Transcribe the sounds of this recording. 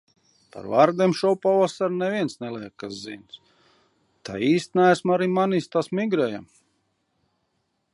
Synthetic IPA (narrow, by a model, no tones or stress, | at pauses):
pa̰ɾvaːɾd̪iɛmʃɔwpɔvasaɾnɛvʲiɛnsnɛlˠijkkːaszḭns | t̪a̰iːst̪nææsmaɾimanist̪asmiɡɾɛja̰m